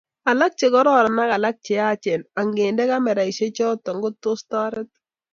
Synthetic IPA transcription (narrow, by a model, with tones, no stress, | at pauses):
a˨la˦k̚t͡ʃe˨kɔ˦ɾɔ˨ɾɔ˨na˦ka˨la˦k̚t͡ʃe˨a˦t͡ʃɛ˨na˨ŋɡe˨ndɛ˦ka˦mɛ˨ɾa˨i˨ʃe˦t͡ʃɔ˦tɔ˨ŋɡʊ˦tʊ˦stɔ˦ɾɪ˦t̚